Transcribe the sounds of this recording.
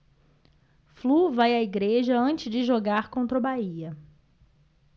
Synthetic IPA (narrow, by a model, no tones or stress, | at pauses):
fluvajɐiɡɾeʒɐɐ̃nt͡ʃɪzd͡ʒɪʒoɡaɾkõnt̪ɾɐʊbaiɐ